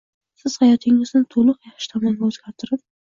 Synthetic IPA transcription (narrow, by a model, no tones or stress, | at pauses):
sɪz̥hajɒt̪ʰɪŋɪznɪt̪ʰolˠʊqjɑχʃɪ̥t̪ʰɒmɒŋɡʲaɵz̥ɡʲaɾt̪ʰɪɾɪp